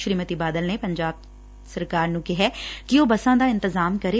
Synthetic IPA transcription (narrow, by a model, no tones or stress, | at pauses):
ʃɾiːmət̪iːbaːd̪əlneːpəɲd͡ʒaːb̚ | səɾkaːɾnũːkɪɦɛːkɪoːbəsãːd̪aːɪnt̪ɪzaːmkəɾeː